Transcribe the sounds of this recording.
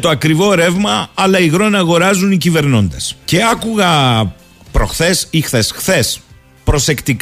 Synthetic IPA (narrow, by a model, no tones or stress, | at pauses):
t̪o̞ɐkɾivo̞ɾe̞vmɐɐlɐiɣɾo̞nɐːɣo̞ɾɐzunicive̞ɾno̞nd̪esce̞ɐkuɣɐ | pɾo̞xθe̞sixθe̞sxθe̞s | pɾo̞se̞kt̪ik